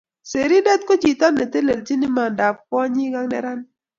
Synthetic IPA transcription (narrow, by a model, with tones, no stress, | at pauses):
se˨ɾi˦dɛ˦t̪̚ko˦d͡ʒi˨t̪a˦nːe˨t̪e˦le˨ld͡ʒi˦ni˦ma˨nda˨p̚kɔ˦ɲi˦ɡa˦ŋnɛ̰˦ɾa˦n